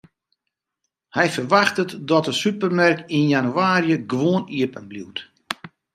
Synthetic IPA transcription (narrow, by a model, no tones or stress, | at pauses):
hɛjfərʋaxtətdɔtəsypərmɛrkinjanyaːrjəɡʋoəniəpənblḭwt